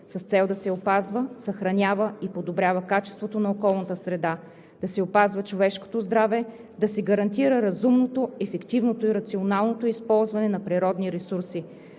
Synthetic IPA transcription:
sɐst̪sɛlˠd̪ɐsɛopazvəsɐxɾɐnʲavəipod̪obɾʲjavɐkat͡ʃɛ̥st̪vot̪onɐokɔlˠnət̪əsɾɛd̪a | d̪̥ɐsɛopazvɐt͡ʃovɛʃko̥t̪ozd̪ɾavɛ | d̪ɐsɛɡɐɾɐnt̪̬iɾəɾɐzumnot̪oɛfɛkt̪ivnot̪oiɾɐt̪sionalˠnot̪oispɔlˠzvɐnɛnɐpɾiɾɔd̪niɾɛsuɾsi

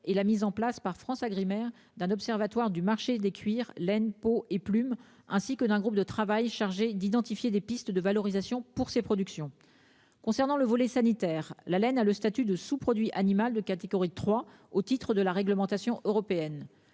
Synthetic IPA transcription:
elamizɑ̃plaspaʁfχɑ̃saɡʁimɛʁ | d̪ɛ̃nɔpsɛʁvat̪waʁd̪ymaʁʃed̪ekʲʰɥiʁlɛnpoeplym | ɛ̃sikəd̪ɛ̃ɡʁup̚d̪ət̪χavajʃaʁʒed̪id̪ɑ̃t̪ifjed̪epist̪d̪əvalɔʁizasjɔ̃puʁsepχɔd̪yksjɔ̃ | kɔ̃sɛʁnɑ̃ləvɔlɛsanit̪ɛʁlalɛnaləst̪at̪yd̪əsupχɔd̪ɥiʔanimald̪əkat̪eɡɔʁit̪χwa | ot̪it̪χəd̪əlaʁɛɡləmɑ̃t̪asjɔ̃ʔøʁɔpeɛn

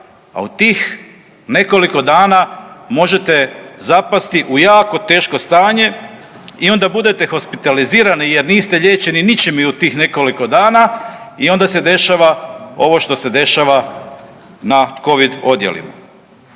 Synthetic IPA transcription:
a̰ut̪iːx | ne̞ko̞liko̞d̪aːnamo̞ʒe̞t̪e̞zapast̪iʔujaːko̞t̪e̞ːʃko̞st̪aːɲe̞ | io̞nd̪abud̪e̞t̪e̞xo̞spit̪aliziːɾanije̞ɾniːst̪e̞ʎe̞ːt͡ʃe̞ninit͡ʃimiut̪iːxne̞ko̞liko̞d̪aːnaio̞nd̪ase̞d̪e̞ʃaʋao̞ʋo̞ʃt̪o̞se̞d̪e̞ʃaʋa | nako̞ʋid̪o̞d̪jḛlḭma̰

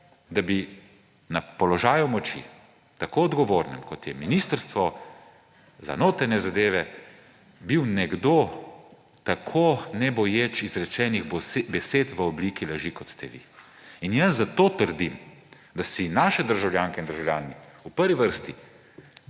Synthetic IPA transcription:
d̪abi | napɔlɔʒaːjumɔt͡ʃḭ | t̪akoɔd̪ɡɔʋoːɾnɛmkɔt̪jɛminist̪əɾst̪ʋɔ | za̰noːt̪ɾɛɾnɛzad̪eːʋɛ | biwnɛɡd̪oː | t̪akʰonɛbɔjet͡ʃizɾɛt͡ʃɛːnixbɛseːt̪ʋəɔblikilaʒikɔt̪st̪ɛ̰ʋḭ | injəszat̪ot̪əɾd̪im | d̪asinaːʃɛd̪əɾʒawljaːŋkɛind̪əɾʒawlʲjaːniupəɾʋiʋəɾst̪i

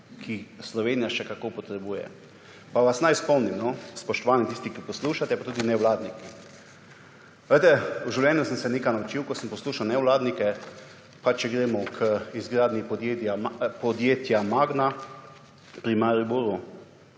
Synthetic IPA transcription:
kʰislɔʋeːnijaʃɛkakopɔt̪ɾɛbuːjɛ̰ | paʋasnajspɔwnimnɔspɔʃt̪ɔʋaːnit̪ist̪ikipɔsluːʃat̪ɛpat̪uːd̪inɛwlaːd̪niki | ɛjt̪ɛuʒiwlʲjɛːnjusəmsɛneːkajnaut͡ʃiwkɔsəmpɔsluːʃawnɛwlaːd̪nikɛ | pat͡ʃːɛɡɾeːmɔkʰəizɡɾaːd̪nipɔd̪jet̪japɔd̪jeːt̪jamaɡna | pɾimaɾibuɾu

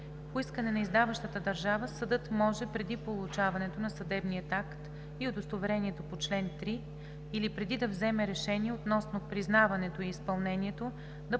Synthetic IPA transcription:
poiskənɛnɐizd̪avɐʃt̪ət̪əd̪ɐɾʒavəsɐd̪ɤt̪mɔʒɛpɾɛd̪ipolˠʊt͡ʃavɐnɛt̪onɐsɐd̪ɛbnijət̪akt̪ | iod̪ost̪ovɛɾɛniɛt̪opot͡ʃlɛnt̪ɾi | ilipɾɛd̪id̪ɐvzɛmɛɾɛʃɛniɛot̪nɔsnopɾiznavɐnɛt̪oiːspɐlˠnɛniɛt̪o | d̪ɐ

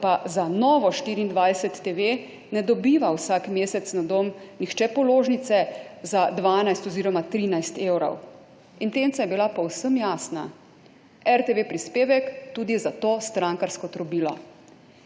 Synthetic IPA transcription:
pazanɔːʋɔʃt̪iːɾiːnd̪ʋajsɛt̪ːeʋe | nɛd̪ɔbiːʋawsakmeːsɛt̪snad̪om | nixt͡ʃɛpɔloːʒnit̪sɛzad̪ʋaːnajst̪ɔziːɾɔmat̪ɾiːnajst̪eːwɾɔ̰w | int̪ent̪sajɛbilapɔwsəmjaːsna̰ | ɛɾt̪eʋepɾispeːʋɛkt̪uːd̪izat̪oːst̪ɾaŋkaɾskɔt̪ɾɔbiːlɔ̰

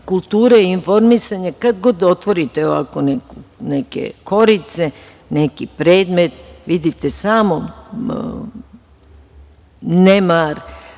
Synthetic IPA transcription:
kulˠt̪uːɾeinfo̞ɾmisaɲakad̪ɡo̞d̪o̞t̪ʋo̞ɾit̪eoʋa̰ko̞nekunekḛko̞ɾit̪se | nekipɾeːd̪me̞t̪ʋid̪it̪esamo | nemaɾ

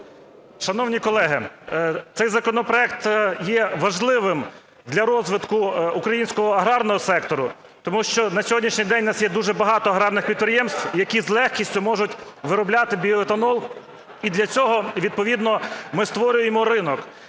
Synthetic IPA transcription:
ʃɐnɔwnʲikɔlˠɛɦɪt̪sɛjzɐkɔnɔpɾɔɛk̚t̪jɛʋɐʒlˠɪʋɪm | d̪lʲɐɾɔzʋɪt̪kʊukɾɐjinʲsʲkɔɦɔɐɦɾɑrnɔɦɔsɛkt̪ɔɾʊ | t̪ɔmuʃt͡ʃɔnɐsʲɔɦɔdʲnʲiʃnʲijd̪ɛnʲnɑsjɛd̪uʒɛbɐɦɑt̪ɔɐɦɾɑrnɪxpʲid̪̚pɾɪjɛmst̪wjɐkʲizlˠɛxkʲisʲtʲʊmɔʒʊtʲ | ʋɪɾɔblʲat̪ɪbʲiɔet̪ɐnɔlˠ | id̪lʲɐt͡sʲɔɦɔʋʲid̪̚pɔʋʲid̪nɔmɪst̪ʋɔɾʲʊjemɔɾɪnɔk

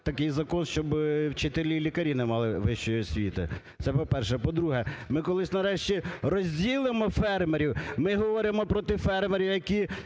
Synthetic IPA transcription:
t̪ɐkɪjzɐkɔnʃt͡ʃɔbwt͡ʃet̪elʲilʲikɐɾʲinɛmɑlˠɪʋɪʃt͡ʃɔjɔsʲʋʲḭt̪ɪ̰ | t̪sɛpɔpɛrʃɛpɔd̪ɾuɦɛmɪkɔlˠɪsʲnɐɾɛʃt͡ʃirɔzʲdʲilˠɪmɔfɛrmeɾʲiwmɪɦɔʋɔɾɪmɔpɾɔt̪ɪfɛrmeɾʲiwjɐkʲi

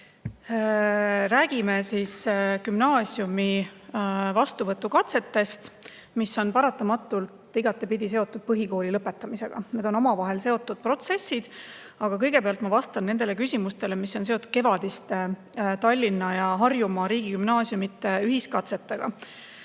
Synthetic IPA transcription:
ɾæːɡ̥ime̞siskymnɑːsjumi | vɑst̪uvɤt̪ːˑukɑt̪se̞t̪ːe̞st̪ | misːo̞npɑɾɑt̪ːˑɑmɑt̪ːˑult̪ˑːiɡɑt̪ːˑepid̪ise̞o̞t̪ːˑud̪̥̚pɤɦiko̞ːlilɤpːˑe̞t̪ːˑɑmise̞ɡ̥ɑ̰ne̞d̪̥o̞nomɑvɑɦe̞lse̞o̞t̪ːˑud̪̥̚pro̞t̪se̞sːid̪̥ | ɑɡ̥ɑkɤjɡe̞peɑlt̪mɑvɑst̪ɑnne̞nd̪e̞lekysʲimust̪e̞le̞misːo̞nset̪ːˑud̪̥ke̞vɑd̪̥ist̪e | t̪ɑlʲːinːɑjɑɦɑrjumɑɾiːɡ̥ikymnɑːsjumit̪ːˑeyɦiskɑt̪se̞t̪ːˑeɡ̥ɑ̰

